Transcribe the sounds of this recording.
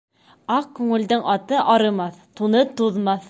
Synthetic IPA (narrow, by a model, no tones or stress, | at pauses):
ɑq̚kʉŋɘ̆ld̪ɘŋʔɑt̪ɤʔɑɾɤ̆mɑθt̪unɤt̪uðmɑθ